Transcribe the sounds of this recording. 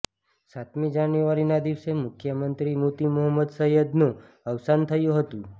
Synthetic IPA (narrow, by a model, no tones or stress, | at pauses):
sat̪mid͡ʒanjuʋaɾinad̪iʋsemʊkʰjəmənt̪ɾimut̪imʊɦəmːəd̪səɦjəd̪nũ | əʋsant̪ʰəjũɦət̪ũ